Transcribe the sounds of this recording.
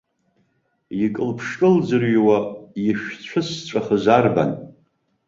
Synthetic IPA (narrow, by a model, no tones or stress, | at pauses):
jikʼɨlpʰʂkʼɨld͡zɨrɥwajiʃᶣt͡ɕʷʰɨst͡ɕʷʼaχəzarba̰n